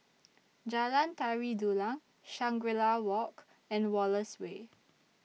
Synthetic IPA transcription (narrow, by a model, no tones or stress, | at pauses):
d͡ʒalãntɛɹidulãŋ | ʃãŋɡwɛlawɔk | ɛ̃nwɔləswe